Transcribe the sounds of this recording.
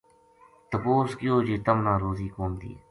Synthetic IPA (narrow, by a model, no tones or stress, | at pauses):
t̪əpoːskɪjoːd͡ʒeːt̪əmnãːɾoːziːkoːmd̪ḭː